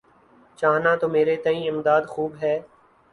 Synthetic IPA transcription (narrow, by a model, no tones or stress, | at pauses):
t͡ʃaːɦnaːt̪oːmeːɾeːt̪əĩːɪmd̪aːd̪xuːbɦɛː